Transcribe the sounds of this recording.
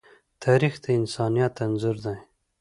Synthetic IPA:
t̪ʰɑːɾixd̪əɪnsɑːnijat̪ːanzuɾd̪aj

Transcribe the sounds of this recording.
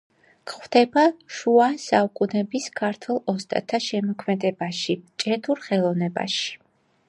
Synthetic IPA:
kχwvd̪̥ɛbaʃuasaukʼunɛbiskʰaɾt̪ʰwɛlˠɔst̪ʼa̰t̪ʰaʃɛmɔkʰmɛd̪ɛbaʃit͡ʃʼɛt̪ʰuɾχɛlˠɔvnɛba̰ʃi̥

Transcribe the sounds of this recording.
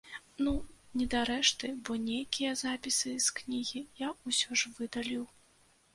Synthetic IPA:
nunʲɛd̪aɾɛʂt̪ɨbɔnʲejkʲijɐzapʲisɨsknʲiɣʲijausʲɔʐvɨd̪alʲiw

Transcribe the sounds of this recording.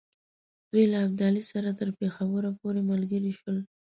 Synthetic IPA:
d̪̥ujlaːb̚d̪ɑlisaɾat̪əɾpexawəɾapoɾeməlɡəɾiʃwəl

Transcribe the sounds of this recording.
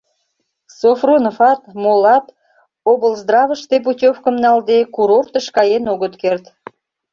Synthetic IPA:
sofronofɑt̪molɑt̪ | obəlzd̪rɑvəʃt̪ep̬utʲofkəmnɑld̪ekuɾort̪əʃkɑjenoɣət̪kert̪

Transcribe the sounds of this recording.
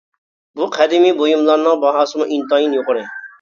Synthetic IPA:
buqʰæd̪ɪmibojumlˠɑɾnɨŋbɑɦɑːsmɑʔint̪ɑjinjoqɾɪ

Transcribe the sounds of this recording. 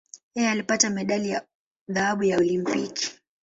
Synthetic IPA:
jɛjɛalipatamɛɗalija | ðahaɓujaɔlimpiki̥

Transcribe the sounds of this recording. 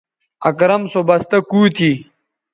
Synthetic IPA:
ɐkɾɐmsobɐst̪ɐkuːt̪ʰi

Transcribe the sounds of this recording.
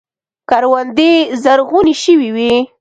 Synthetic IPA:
kaɾwand̪ezaɾɣuniʃəwiwi

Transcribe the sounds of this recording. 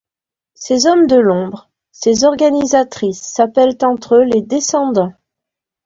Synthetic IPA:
sezɔmd̪əlɔ̃bʁ | sezɔʁɡanizat̪χisːapɛlt̪ɑ̃t̪χøled̪esɑ̃d̪ɑ̃

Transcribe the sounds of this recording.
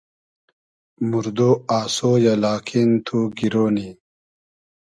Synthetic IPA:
muɾd̪oaːsojalaːkʰint̪ʰuɡiɾoːni

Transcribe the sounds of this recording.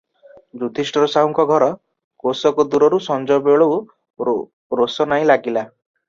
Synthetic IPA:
d͡ʒud̪ʱisʈɔɾɔsauŋkɔɡʱɔɾɔ | kosɔkɔd̪uɾɔɾusɔnd͡ʒɔbeɭɔw | ɾosɔnaĩlaɡila

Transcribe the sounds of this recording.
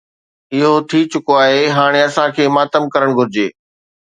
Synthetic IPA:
ɪɦot̪ʰit͡ɕʊkoaːɦeɦaːɽ̃eɐsãkʰeːmaːt̪əmkɐɾəɽ̃ɡʱʊɾɪd͡ʑeː

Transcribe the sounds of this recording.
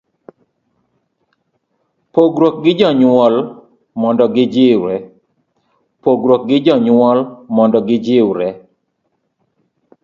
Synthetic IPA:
poɡɾwok̚ɡɪd͡ʒɔɲwɔl | mɔndɔɡɪd͡ʒɪwɾɛ | poɡɾok̚ɡɪd͡ʒɔɲwɔlmɔndɔɡɪd͡ʒɪwɾɛ

